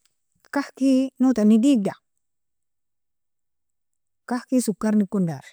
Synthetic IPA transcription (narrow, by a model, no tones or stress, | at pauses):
kahkinut̪anidiɡ̚da | kahkisukːaɾnikːundaɾ